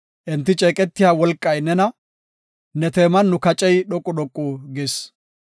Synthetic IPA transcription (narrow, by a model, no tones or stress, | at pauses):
ʔɪnt̪ːɪt͡ʃʼɛːkʼɛt̪ːɪjaːwɔlkʼːɐjnɛnɐ | nɛt̪eːmɐnːʊkɐt͡ʃʼɛjɗɔkʼːʊɗɔkʼːuːɡɪs